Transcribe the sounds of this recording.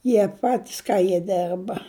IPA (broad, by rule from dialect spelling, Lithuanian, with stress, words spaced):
ˈjiɛ ˈpɑːtʲɪs ˈkɐ jiɛ ˈdʲɛrbɐ